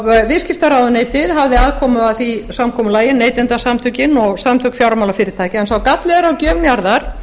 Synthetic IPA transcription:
ɣvɪðscɪft̪aɾaːwðʏneːjt̪ɪðɦavðɪaːðkʰɔːmʏaθisamkʰɔːmʏlaːjɪnːeːjt̪ɛnt̪asamt̪ʰʏcɪnɔɣsamt̪ʰʏkfjawɾmawlafɪːɾɪɾt̪ʰaːjcɪɛnsθawkat̪lɛðaɾawcœːvnjaɾðaɾ̥

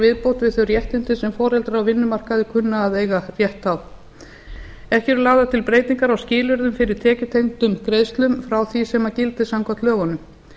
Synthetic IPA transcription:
vɪðpowt̪vɪðθœɥrjɛht̪ɪnt̪ɪsɛmfɔːɾɛlt̪ɾawvɪnːʏmar̥kaðɪkʰʏnːaːðeːjɣarjɛht̪aw | ɛhcɛɾlaːwðat̪ʰɪlpɾeːjt̪iŋkaɾawscɪːlʏɾðʏmfɪɾɪɾ̥t̪ʰɛːcʏt̪ʰejŋt̪ʏmkɾeːjst̪lʏmfɾawθisɛmacɪlt̪ɪsamkʰḁt̪lœːɣɔnʏm

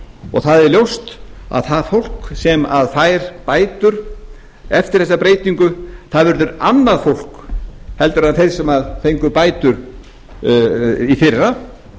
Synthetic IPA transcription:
ɔ̰ɣθaðɛɾljowst̪a̰ðθaðfowl̥ksɛmaðfaːjɾpaːjt̪ʏɾ̥ | ɛft̪ɪɾ̥θɛsːapɾeːjt̪iŋkʏθaðvʏɾðʏɾanːaðfowl̥khɛl̪t̪ʏɾ̥hanθejɾ̥sɛmaðθejŋkʏpaːjt̪ʏɾ | ifɪrːa

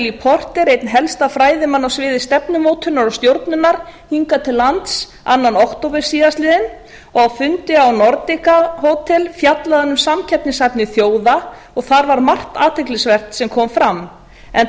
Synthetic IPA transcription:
lipʰɔr̥t̪ɪɾejt̪nɦɛlst̪afɾaːjðɪmanːawsvɪːðɪst̪ɛpnʏmoːwt̪ʰʏnːaɾawst̪jowɾt̪nʏnːaɾ̥hiŋkat̪ʰɪlːant̪s | a̰nːanɔhkt̪owpɪɾ̥siːðast̪lɪːðɪn | ɔɣawfʏnt̪ɪawnɔɾt̪ɪkaɦoːwt̪ʰɛlfjat̪laðanːʏmsamcʰɛpnɪsajpnɪθjoːwða | ɔɣθaɾvaɾmar̥t̪aːt̪ʰejklɪsvɛr̥t̪sɛmkʰɔːmfɾam | ɛn

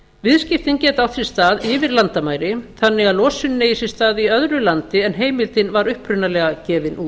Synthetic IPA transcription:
vɪðscɪft̪ɪncɛːt̪awθɾɪ̥st̪aːðɪvɪɾlant̪amaːjɾɪθanːɪɣalɔːsʏnːeːjisɪ̥st̪aːðiœðɾʏlant̪ɪɛnɦeːjmɪlt̪ɪnvaɾʏhpɾʏnːalɛːɣacɛːvɪnʔuː

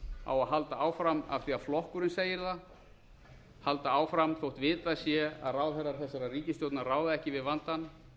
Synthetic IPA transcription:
a̰waðɦalt̪aaːwfɾama̰fθiaðflɔhkʏɾɪnseːjɪɾθa | halt̪aaːwfɾamθʰowht̪vɪːt̪asjɛa̰ðraːwθɛrːaɾ̥θɛsːaɾariːcɪst̪jowt̪naraːwðaðɛhcɪvɪðvant̪an

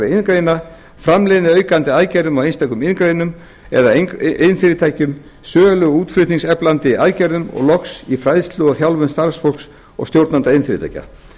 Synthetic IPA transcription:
ɾɪɪnkɾejna | fɾamlenɪœːɥkant̪ɪaːðcɛɾðʏmawejnst̪ʰajkʏmɪnkɾeːjnʏm | ɛ̰ðaenfɪːɾɪt̪ʰajcʏm | sœːlʏɣuːt̪flɾʏt̪niŋsɛplant̪ɪajcɛɾðʏmɔ̰ɣlɔksifɾajðst̪lʏɣaθjawlvʏnst̪aɾsfɔl̥ks | ɔ̰ɣst̪jowɾt̪nant̪aɪnfɪɾɪt̪ʰa̰jca̰

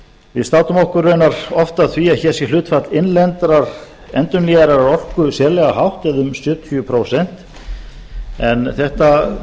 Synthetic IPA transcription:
vɪst̪aːwt̪ʏmɔhkʏrːœɥnaɾɔft̪aðθviaðçɛ̥ːsjɛlʏːt̪fat̪lɪnlɛnt̪ɾaɾ̥ | ɛnt̪ʏnliɣaɾaɾaɾɔr̥kʏsjɛːɾlɛɣaɦawht̪ɛðʏmsœːt̪fjʏpʰɾoːwsɛn̥t̪ | ɛnθɛht̪a

